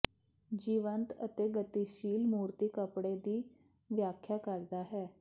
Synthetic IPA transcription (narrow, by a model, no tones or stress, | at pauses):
d͡ʑiʋənt̪ə̰t̪eɡət̪iɕiːlmuɾt̪iːkəpɽed̪iː | ʋjakʰjakəɾd̪aɦɛ